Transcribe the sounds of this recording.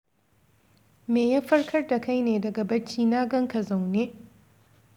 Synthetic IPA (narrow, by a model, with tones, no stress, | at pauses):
meː˨jɐ˦ɸɐ˦rkʰɐ˦rda˨ka˦jneː˨dɐ˨ɡɐ˨bɐ˦t͡ʃːiː˦naː˦ɡɐ˦ŋka˨za˨wneː˦